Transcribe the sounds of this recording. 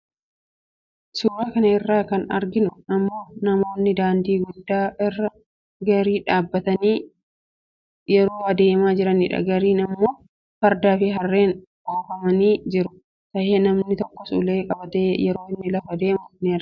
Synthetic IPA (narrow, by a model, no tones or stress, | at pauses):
sʊːɾaːkɐnɐɪrːaːkɐnɐ̰ɾɡɪnʊɐmːo̞ːnɐmo̞ːnːɪd̪aːnd̪iːɡʊd̪aːɪrːɐ | ɡɐɾiːᶑaːbːɐt̪ɐniː | jɛɾo̞ːɐd̪e̞ːmaːd͡ʒɪɾɐnḭːᶑɐ̰ɡɐɾiːnɐmːo̞ː | fɐɾd̪aːfɪɦɐrːeːn | ʔoːfɐmɐniːd͡ʒɪɾʊ | t̪ɐheːnɐmnɪt̪ɔkːɔsṵleːkʼɐbɐt̪eːjɛɾo̞ːɪnːɪlɐfɐd̪e̞ːmʊneːrɐ